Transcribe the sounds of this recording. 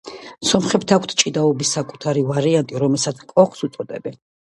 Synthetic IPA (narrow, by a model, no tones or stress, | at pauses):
sɔmχɛb̚t̪ʰakʷʰt̪ʰt͡ʃʼid̪aɔbisːakʼu̥t̪ʰaɾivaɾiant̪ʼiɾɔmɛlˠsat̪sʰkʼɔχsut̪sʼɔd̪ɛbɛn